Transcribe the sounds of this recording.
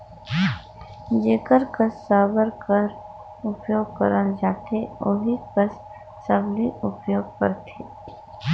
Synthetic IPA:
d͡ʒeːkəɾkəssəːbəɾkəɾ | ʊpjoːɡ̚kəɾənd͡ʒaːt̪eoːɦikəsː | əbliʔʊpjoːɡ̚pə̰ɾt̪ʰeː

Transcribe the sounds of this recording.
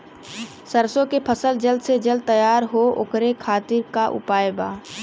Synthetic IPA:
səɾsõkepʰəsəld͡ʒəld̪sed͡ʒəlt̪əjaːɾɦoo̰ːkɾekʰaːt̪ɪɾkaʔʊ̰paːeba̰ː

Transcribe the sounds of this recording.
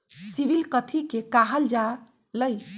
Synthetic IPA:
siʋilkʌt̪ʰikekaɦəld͡ʒa | ləj

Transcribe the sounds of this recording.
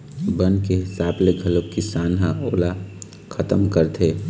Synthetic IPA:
bənkeɦɪsaːbleɡʱələkisaːnɦaʔoːla | kʰɐt̪əmkəɾt̪ʰeː

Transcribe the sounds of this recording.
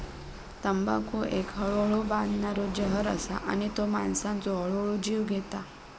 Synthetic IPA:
t̪əmba̰koʔekɦəɭoɭobãd̪naɾod͡ʒəɦəɾə̰sa̰ʔə̰net̪omansand͡zoɦəɭoɭod͡ʒiʋɡʱet̪a

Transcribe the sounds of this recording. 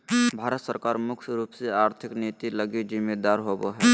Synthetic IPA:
bʱaːɾət̪səɾkaːɾmʊkʰjɾuːpseaɾt̪ʰɪknet̪iləɡid͡ʒɪmed̪aːɾɦoboɦɛː

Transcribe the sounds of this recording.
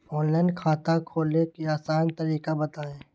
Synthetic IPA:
ɔːnlaɪnɖkʰaːt̪akʰoːlekiaːsaːnt̪ɐɾiːkabɐt̪aːeː

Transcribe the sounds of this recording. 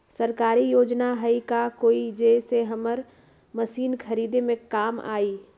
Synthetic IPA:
səɾkaːɾijoːd͡ʒnaɦəikakoːid͡ʒeseɦəməɾ | məsiːnkʰəɾiːd̪emẽkaːma̰ːiː

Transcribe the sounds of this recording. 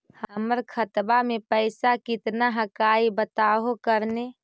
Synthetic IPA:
həməɾkʰət̪bamepəɪsakɪt̪naɦəkaibət̪aɦokəɾne

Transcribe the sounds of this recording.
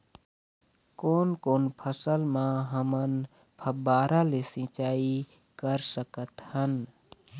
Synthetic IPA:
koːnkoːnpʰəsəlmãɦəmən | pʰəbaːɾalesɪ̃t͡ʃaːi | kəɾsəkət̪hən

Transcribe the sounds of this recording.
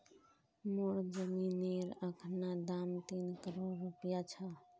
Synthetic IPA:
moɾd͡ʒəmineɾəkʰnad̪amt̪inkəɾoɾːupjat͡ʃʰə

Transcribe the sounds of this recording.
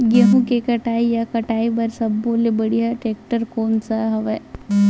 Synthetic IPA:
ɡɐɦũkekɐʈaːijakɐʈaːibɐɾsɐbːoːlebəɽiɦaʈeːk̚ʈəɾkoːnsaɦɐʋɛː

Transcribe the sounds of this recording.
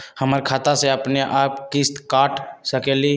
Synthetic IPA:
həməɾkʰat̪aseəpneʔap̚kist̪kaʈʰsəkeli

